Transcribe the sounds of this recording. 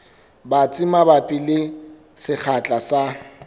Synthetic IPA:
bat͡sʼɪmabapʼilɪ | sɪk͡xʰat͡ɬʼasa

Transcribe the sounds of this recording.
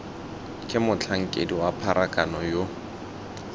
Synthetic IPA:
kʼɪmʊt͡ɬʰaŋ̩kʼḛdiwapʰaɾʔakʼanɔjo

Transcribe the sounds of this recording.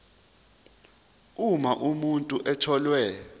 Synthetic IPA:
umaʔumuntʼuʔɛtʰɔlwɛ

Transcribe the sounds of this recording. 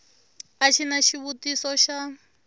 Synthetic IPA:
aʃʰinaʃiβutisɔʃa

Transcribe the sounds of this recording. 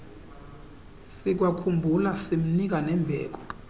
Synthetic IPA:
sik̬wakʰumbʱulasim̩nik̬anɛmbʱɛ̰ːk̬ɔ̥

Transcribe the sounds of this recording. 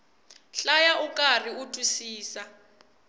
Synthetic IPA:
ɬajaʔukʼar̤iutʼusiːsa

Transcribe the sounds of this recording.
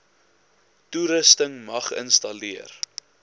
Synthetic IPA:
tuɾəstəŋmɐχə̰nstɐliər

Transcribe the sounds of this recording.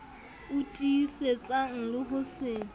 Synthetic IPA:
ʊtʼiset͡sʼaŋ̩lɪɦʊsɪ

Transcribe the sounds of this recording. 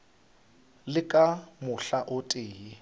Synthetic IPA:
lɪkʼamʊɬaʔʊtʼeːi

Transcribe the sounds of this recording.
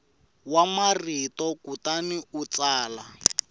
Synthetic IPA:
wamaritɔkutaniut͡saːla

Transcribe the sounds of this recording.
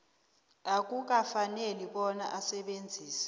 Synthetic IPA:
ak̬ʼuk̬ʼafaneliɓɔna̰ʔasɛɓend͡zʱiːsɛ̥

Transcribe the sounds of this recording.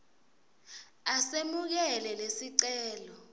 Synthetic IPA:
asemuk̬ɛlɛlesiǀɛːlɔ

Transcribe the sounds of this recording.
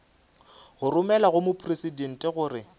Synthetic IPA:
ɣʊrʊmɛlaɣʊmʊpʰʼresiden̩tʼɛɣʊːrɪ

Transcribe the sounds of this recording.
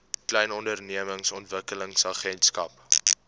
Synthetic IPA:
klɛjnɔndərniəməŋsɔntvəkələŋsɐχɛntskɐp

